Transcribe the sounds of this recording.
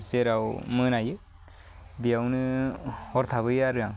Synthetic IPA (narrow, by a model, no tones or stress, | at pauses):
seɾawmɯnajɯ | bijawnɯhɔɾt̪ʰaβɯjaɾɯa